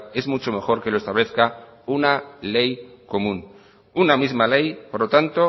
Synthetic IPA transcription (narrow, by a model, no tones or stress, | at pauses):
e̞zmut͡ʃo̞me̞xo̞ɾke̞loe̞st̪aβle̞θkaunale̞jko̞mũn | unamizmale̞jpoɾlo̞t̪ant̪o̞